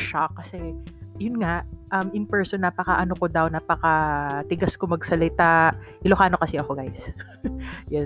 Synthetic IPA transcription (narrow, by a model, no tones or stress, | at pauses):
ʃak̚ːɐsɛjʊnŋaʔʔɐmʔɪŋpɛɹsonːapɐkɐʔɐnokod̪ɐwnaːpɐkɐt̪ɪɡaskomɐɡ̚sɐlɪt̪aʔɪlohaːno̞kɐsɛʔɐko̞ɡajs | jɛ